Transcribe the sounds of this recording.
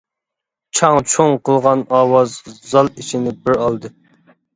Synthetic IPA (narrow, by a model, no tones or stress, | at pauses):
t͡ʃʰɑŋt͡ʃʰoŋqʰəlˠʁɑnɑːwɑzzɑlˠit͡ʃʰinɪbɪɾɑlˠd̪ɨ